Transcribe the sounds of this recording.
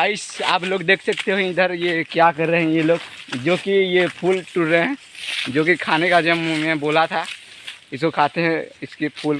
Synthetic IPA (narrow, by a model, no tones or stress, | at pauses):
əɪsa̰ːploːɡd̪eːkʰsɐkt̪ʰeɦoĩd̪əɾjekjakɐɾːeɦɛ̃jeloːɡd͡ʒoːkijepʰuːlʈʊɾɾeɦɛ̃ːd͡ʒoːkikʰaːnekad͡ʒəmmɛ̃boːlat̪ʰa | ɪskokʰaːt̪eɦɛ̃ɪskepʰuːl